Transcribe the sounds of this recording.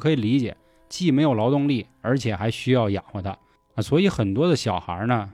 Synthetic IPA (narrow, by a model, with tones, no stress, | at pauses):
kʰɤ˧˥i˨˩li˧˥t͡ɕjɛ̰˨˩˦ | t͡ɕi˥˩me˧˥ɪjo˨˩ʊlɑ˧˥ʊt̪ʊ˥˧ŋli˥˩ | ə˞˧˥t͡ɕʰjɛ˨˩xa˧˥ɪɕy˥jɑ˥˩ʊja˨˩xwɔ˧˩t̪ʰa̰˥ | ə˧˩swɔ˧˥i˧˥xə˨˩nt̪wɔ˥d̪ə˨ɕjɑ˨˩ʊxə̰˧˥nə˧